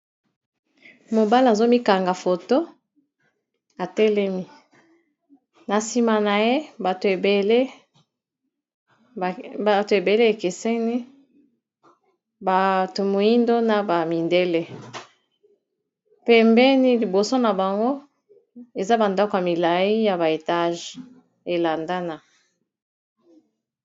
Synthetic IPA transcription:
mo˨ba˦la˨zo˦mi˦ka˨ŋɡa˨fo˨to˦ | a˨tɛ˦lɛ˦mi˦ | na˨si˨ma˨na˨je˦ba˨to˨e˨be˨le˦˨ | ba˨to˨e˨be˨le˦e˨ke˨se˦ni˦ | ba˨to˨mo˨ji˦ndo˦na˨ba˨mi˨nde˦le˦ | pɛ˨mbɛ˦ni˦li˨bo˨so˦na˨ba˨ŋɡo˦ | e˨za˦ba˨ndɔ˦ko˨ja˨mi˨la˨i˦ja˨ba˨e˨ta˦ʒ | e˨la˨nda˦na˨

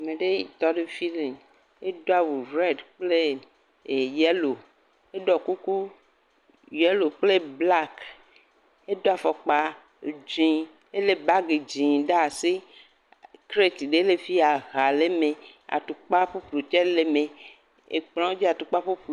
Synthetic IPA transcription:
a˨mẽ˨ɖe˦i˦˨t̪ɔ˦ɖe˦fi˦li˨ŋ | e˦do˦a˦wu˨ɾɛ˦dk͡ple˦˨ | jɛ˦lo˨ | e˦ɖɔ˨ku˦ku˦ | jɛ˦lo˨k͡ple˦bla˦k | e˦d̪o˦a˨fɔ˨k͡pa˨ | d͡ʒĩ˨˦ | e˦le˨ba˦ɡe˨d͡ʒĩ˨ɖa˦a˨se˦ | kɾe˦t̪ɖe˨˦le˨fi˦a˨ɣa˨le˦mẽ˨ | a̰˨t̪u˨k͡pa˦ɸu˦k͡plo˨t͡ʃɛ˦le˨mẽ˨ | ḛ˨k͡plɔ̃˦wo˦d͡ʒi˦a˨t̪u˨k͡pa˦ɸu˦k͡pl

